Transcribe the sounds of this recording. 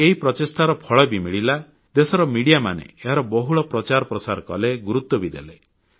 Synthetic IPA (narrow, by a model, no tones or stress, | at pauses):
eɦipɾɔtesʈʰaɾɔpʰɔɭɔbimiɭila | d̪esɔɾɔmiɽijama̰nḛeɦaɾɔbɔɦuɭɔpɾɔt͡ʃaɾɔpɾɔsaɾɔkɔ̰leɡuɾut̪ːɔbid̪ḛle